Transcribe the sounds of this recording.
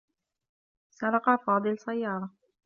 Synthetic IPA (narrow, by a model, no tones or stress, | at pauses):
sɑlɑqɑfɑːd̪ˤɨlsajːɑːɾˤɑ